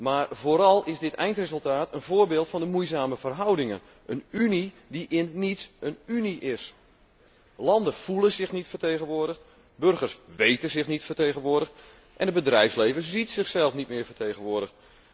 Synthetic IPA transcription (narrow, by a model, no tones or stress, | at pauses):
maːrvoːɾɑlˠɪsdɪtɛjntrezɵlˠtaːtʰənvoːrbeːlˠtfɑndəmujzaːməv̥ərɦʌwdɪŋən | ʔənyni | diʔɪnːitsənyniʔɪs | lɑndəv̥ulənzɪxnitfərtejɣənʋoːədəxt | børɣərsʋejtənzɪxnitfərtejɣənʋʊːdəxt | ʔɛ̰ndəbədrɛjfslejvəszitsɪxsɛlˠfnit̚mɪːvətejɣənʋʊːdəxt